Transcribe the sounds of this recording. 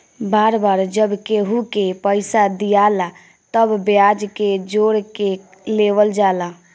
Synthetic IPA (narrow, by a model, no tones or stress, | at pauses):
baːɾbaɾd͡ʒəbkeɦukepəɪsad̪ijala | t̪əbbjad͡ʒked͡ʒoɾke | leʋəld͡ʒalã